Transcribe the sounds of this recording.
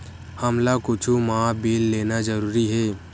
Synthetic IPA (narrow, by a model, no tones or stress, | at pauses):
həmlakʊt͡ʃʰumãbilːeːnad͡ʒəɾuːɾiɦeː